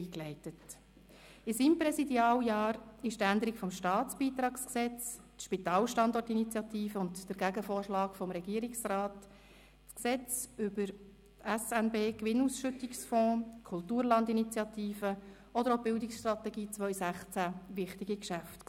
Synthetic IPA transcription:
iːklɛɪtət | ɪsiːmpɾɛsidjɑːljɑːɾɪʃtænd̪əɾikfɔmʃtɑːtt͡sb̥iːt̪ɾɑːksksɛt͡stʃpit̪ɑːlʃtɑnd̪ɔrtinit͡sjɑt̪iːfəʊntd̥əɾɡ̥æɡəfoːrʃlɑːkfɔmɾɛɡ̥iːəɾiksrɑːt | t͡sksɛt͡sʏbəɾ | tæsænbeːkʋɪnusʃʏtɪksfɔ̃ːkʰʊltuːɾlɑndinit͡sjɑt̪iːfə | ɔd̪əɾɔb̥ɪldɪksʃtɾɑt̪ɛɡiːt͡sʋœʏsæχt͡sæʋɪχtɪɡikʃæft

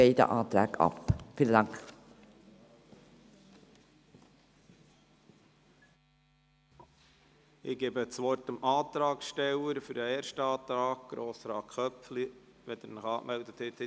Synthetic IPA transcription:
eɪd̪ə̰ʔɑːt̪ɾæ̰ːɡɑ̰pfiːləd̪ɑŋkχ | ɪɡ̥eːbət͡sʋɔrtəmʔɑːt̪ɾɑːkʃtɛləɾfʏɾdəeːɾʃtɑːt̪ɾɑːɡ̚ɡ̥ɾoːsɾɑːkχœpfliʋɛd̪ɛɾnəχɑːkmɛld̪ət̪hɛt̪h

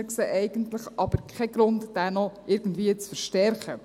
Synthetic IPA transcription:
kseːʔɛɪɡ̥əntləχʔɑb̥əɾkʰɛɡ̥ɾʊntd̥ænɔʔɪɾɡ̥ən̩dviət͡sfəɾʃtɛɾχə

